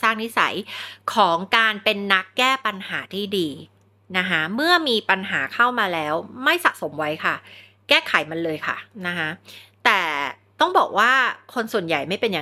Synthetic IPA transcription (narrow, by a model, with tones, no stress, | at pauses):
saː˥˩ŋni˦˥sa̰˩˦jkʰɔː˩˦ŋkaː˧npe˧nːa˦˥kːɛː˥˩pa˧nhaː˩˦t̪ʰiː˥˩diː˧ | na˦˥kʰa˦˥mɯ˥˩ɐmiː˧pa˧nɦaː˩˦kʰa˥˩wmaː˧lɛː˦˥wma˥˩jsa̰˨˩ʔ̚so˩˦mwa˦˥jkʰa˥˩ | kɛː˥˩kʰa˨˩˦jma˧nlɤː˧jkʰa̰˥˩na˦˥kʰa˦˥t̪ɛː˨˩ | t̪ɔ˥˩ŋbɔː˨˩k̚waː˥˩kʰo˧nsu˨˩ənja˨˩jma˥˩jpe˧nja˨